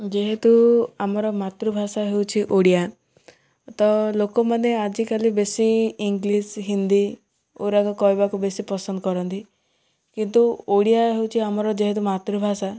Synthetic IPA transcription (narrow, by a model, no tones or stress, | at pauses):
d͡ʒeɦet̪uamɔɾɔmat̪ɾubʱasaɦewt͡ʃʰiʔoɽija | t̪ɔlokɔmanead͡ʒikalibesiːŋɡlisɦind̪i | oɾakɔkɔɦjbakubesipɔsɔnd̪ɔkɔɾɔnt̪i | kint̪uoɽijaɦewt͡ʃʰiamɔɾɔd͡ʒeɦet̪umat̪ɾubʱasa